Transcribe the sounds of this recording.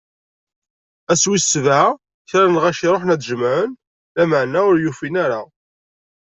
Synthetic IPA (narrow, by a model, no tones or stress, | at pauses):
æswisva | çɾænʁæʃiɾˤoħnæd̪ʒəmʕən | læməʕnæʊɾjufinæɾa